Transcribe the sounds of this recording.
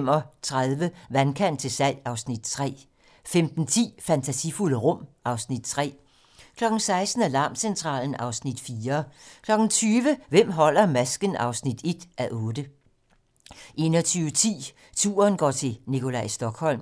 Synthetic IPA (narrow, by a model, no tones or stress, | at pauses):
mɒt͡sʰʁaðˠʋəʋænkʰæn̰d̥̚t͡sʰe̝sæl̰ɑ̈ʊsnid̥̚t͡sʰʁɛ̰ː | femd̥n̩t͡sʰḭːfænt͡sʰæsifuləʁɔ̽m̰ʔɑ̈ʊsnid̥t͡sʰʁɛ̰ː | kʰlɒ̽ɡ̥n̩sɑ̈ɪsd̥n̩ælɑ̈ːmsent͡sʰʁɑ̰̈ːln̩ɑ̈ʊsnid̥fiːɐkʰlɒ̽ɡ̥n̩t͡sʰyːʋəʋem̰ɦɒ̽l̰ɐmæsɡ̥ənɑ̈ʊsnid̥e̝d̥ʔæʔɔ̽ːd̥ə | ʔe̝̰ːnɒt͡sʰyːʊət͡sʰḭː | t͡sʰṵːɐnɡ̥ɒ̰ːt͡sʰe̝nikʰo̝læɪsd̥ɒ̽ɡ̥hɒ̽l̰m